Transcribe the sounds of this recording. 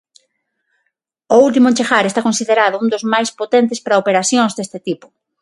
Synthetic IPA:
ʊult̪̬imʊent͡ʃexaɾest̪akonsiðeɾaðʊund̪ozmajspot̪ent̪espɾaopeɾaθjoŋzðest̪et̪ipʊ̥

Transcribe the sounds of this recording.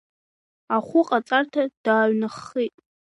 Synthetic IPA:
aχʷʊqʼat͡sʼartʰad̥aːɥnɨχitʼ

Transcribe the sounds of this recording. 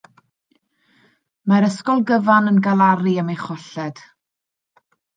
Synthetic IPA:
maɾəskɔlˠɡəvanənɡalˠaɾiəmejχɔɬɛd̥

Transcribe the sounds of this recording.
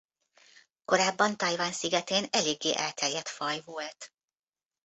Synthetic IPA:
ko̞ɾaːbːɒnt̪ɒjvaːnsiɡɛt̪eːnɛleːɡːeːʔɛlt̪ʰɛrjɛt̪fɒjvolt̪

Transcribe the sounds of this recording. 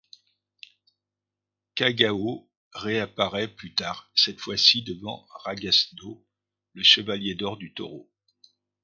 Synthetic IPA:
kaɡao | ʁeapaʁɛplyt̪aːʁsɛt̪fwasid̪əvɑ̰̃ʁaɡasno | ləʃəvaljed̪ɔʁd̪yt̪ɔ̰ʁo

